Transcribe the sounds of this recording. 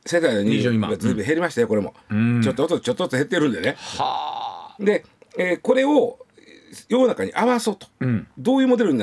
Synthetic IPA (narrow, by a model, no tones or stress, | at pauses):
set̪aiɲ̟iɡazɨːbɯ̃ɦeɾʲimaɕit̪ajoko̞ɾe̞mo̞̰t͡ɕo̞t̪ːot̪ːot͡ɕot̪ːot̪ːoɦet̪ːe̞ɾɯ̟̃nd̪e̞ne | d̪e̞ | ko̞ɾe̞o̞ | jo̞nakaɲ̟ḭʔaβaso̞ːt̪o̥d̪o̞ːjɯ̟ːmo̞d̪e̞ɾɯɲ̟in